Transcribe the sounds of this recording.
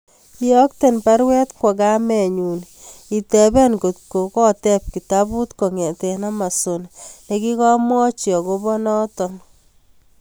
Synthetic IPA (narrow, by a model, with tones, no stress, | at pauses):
i˦jɔ˦k̚te˦npa˦ɾwɛ˦tkwɔ˨ka˦mɛ˨ɲu˨n | i˨tɛ˨bɛ˦nko˨tko˨kɔ˦tɛ˦p̚ki˨ta˦bu˦tko˨ŋɛ˨tɛ˨na˦ma˨so˨nne˨ki˦kɔ˦mwɔ˦t͡ʃiɔ˨ko˦bɔ˦nɔ˦tɔ˨n